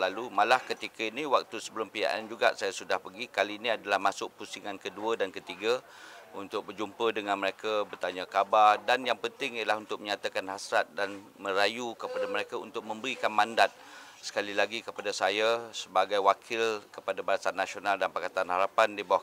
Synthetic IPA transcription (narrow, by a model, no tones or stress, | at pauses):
lalumalahkət̪ikainiwak̚t̪usəbələmpija̰ʔa̰nd͡ʒuɡa̰ʔsajasudahpəɡikaliːniadalahmasʊk̚pusiŋankəduədankət̪iɡa | unt̪ʊk̚bərd͡ʒumpədəŋãnməɾekabərt̪aɲakabardanjaŋpənt̪ɪŋijalahunt̪ʊk̚məɲat̪akanhasɾat̪̚danmə̃ɾajukəpadaməɾekaṵnt̪ʊk̚mə̃mbəɾikanmãndat̪̚ | sə̥kalilaɡikəpadasajasəbaɡajwakʰɪlkəpadabaɾasanːasionaldanpakat̪anhaɾapandibawa